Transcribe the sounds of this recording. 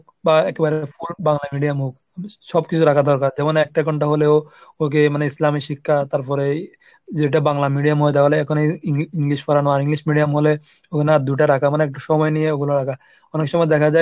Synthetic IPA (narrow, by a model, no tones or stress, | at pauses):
baɛkebaɾefubaŋlamiɖijamuk | ʃɔbkit͡ɕʰuɾakʰad̪ɔɾkaɾd͡ʑɛmonɛk̚ʈakɔɳʈaɦoleook̬emaneislamiʃikʰːat̪aɾpɔɾe | d͡ʑeʈ̬abaŋlamiɖijamɦojt̪̬aɦoleɛkʰoneiŋiŋliʃfɔɾanɔaɾiŋliʃmiɖijamɦole | okʰenad̪uʈ̬aɾakʰamaneɛk̚ʈuʃɔmɔenieoɡuloɾakʰa | ɔnekʃɔmɔed̪ɛkʰad͡ʑaj